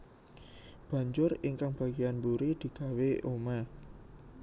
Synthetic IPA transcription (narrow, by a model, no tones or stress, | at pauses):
b̥ä̤ɲd͡ʒʊriŋkaŋb̥ä̤ɡianbuɾid̪̥i̤ɡ̥a̤weʔoma